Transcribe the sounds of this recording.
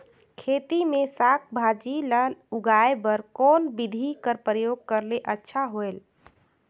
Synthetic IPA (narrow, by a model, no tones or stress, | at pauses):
kʰet̪imesakʰbʱad͡ʒiləɦluɡaebəɾkɔnbid̪ʱikəɾpɾəjoɡ̚kəɾleʔətːʃʰaɦoel